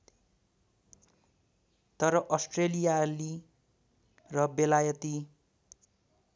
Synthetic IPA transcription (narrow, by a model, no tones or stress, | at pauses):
t̪ʌɾʌʔʌsʈrelijali | rʌbelajʌt̪i